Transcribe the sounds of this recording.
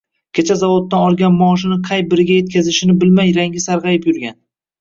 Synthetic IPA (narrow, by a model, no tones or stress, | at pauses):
kʲʰet͡ʃʰazavot̪ːanɒlˠɡʲanmɒːʃ̬ɪnɪqʰɑjbɪɾɪɡʲaje̞t̪̚kʲʰazɪʃɪnɪbɪlmajɾaŋɡʲɪsaɾʁɑjɪpjʊɾɡʲan